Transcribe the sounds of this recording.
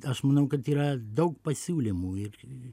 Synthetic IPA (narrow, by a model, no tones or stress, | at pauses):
ɐʃmɐnɐʊkɐt̪iːɾɐd̪ɐʊk̚pɐsʲuːlʲɪmuːɪr